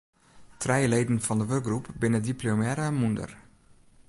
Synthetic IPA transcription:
trɛjəlejdən̩fɔndəʋørkɡrupbɪnədiplomɛɾamundə̰r

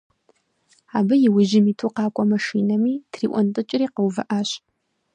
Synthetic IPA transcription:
aːbɐjɪwʊʒɪmiːtʰuqɑːkʷʼɔmɐʂiːnɐmiːtʰriːʔʷɔntʼɨt͡ʃʼɪriːqəwvɐʔaːɕ

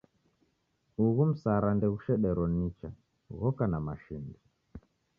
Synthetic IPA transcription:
uɣum̩saɾandɛɣuʃɛɗɛɾɔnit͡ʃa | ɣɔkanamaʃindi

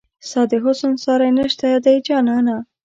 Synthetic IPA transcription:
sɑd̪ɪɦʊsʊnsɑɾajnəʃt̪ajɑd̪ajd͡ʒɑnɑna

